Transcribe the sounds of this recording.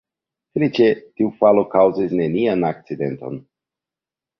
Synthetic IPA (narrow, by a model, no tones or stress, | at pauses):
felit͡ʃetiufalo̞kawzisne̞nianak̚t͡side̞nt̪o̞̰n